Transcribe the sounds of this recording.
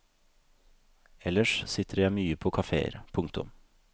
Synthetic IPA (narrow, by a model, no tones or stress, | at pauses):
ɛləʂsɪt̪ʰəɾjæɪmyːəpʰoːkʰɑfḛːə̰ɾpʰʊŋkt̪ʊ̰m